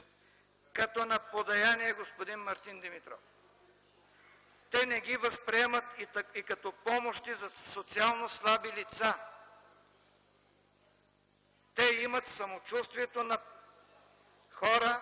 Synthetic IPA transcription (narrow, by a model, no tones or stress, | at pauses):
kɐt̪ɔnɐpod̪ɐjaniɛɡospod̪inmɐɾt̪ind̪imit̪ɾɔ̰f | t̪ɛnɛɡivɐspɾiɛmɐt̪ikɐt̪ɔpɔmoʃt̪izɐsot̪sialˠnoslˠabilit̪sa | t̪ɛimɐt̪sɐmot͡ʃust̪viɛt̪onɐ | xɔɾə